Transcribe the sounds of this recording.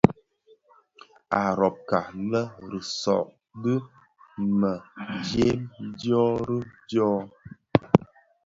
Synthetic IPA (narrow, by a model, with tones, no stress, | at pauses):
a˨ɾɔ˨p̚ka˨lə˦ɾɨ˨sɔ̰˨ʔ | bɨ˦ | mə˨d͡ʒe˦mdjɔ˦ɾɨ˦d͡ʒɔː˦